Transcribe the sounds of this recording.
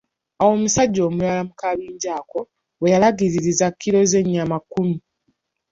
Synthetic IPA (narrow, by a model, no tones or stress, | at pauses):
awo̞musaɟːo̞ːmulalamukaβiːɲɟaːko̞ | wejalaɡiɾiɾizakːiɾo̞ze̞ɲːamakːumi